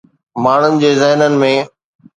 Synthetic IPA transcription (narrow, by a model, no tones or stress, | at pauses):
maːɳ̤ʊnɪ̆d͡ʑeːzɛɦnənɪ̆mẽ